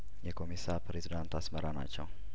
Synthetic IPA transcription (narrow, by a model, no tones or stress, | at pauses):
jɛkʰo̞misapɾezid̪ant̪ʰasməɾana̰t͡ʃːɛw